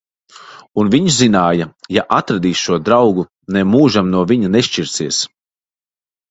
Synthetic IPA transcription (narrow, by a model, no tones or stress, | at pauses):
unviɲʃzinaːjɐjaʔat̪ɾad̪iːsʃuɔd̪ɾawɡu | nemuːʒamnuɔviɲuneʃt͡ʃiɾsiɛs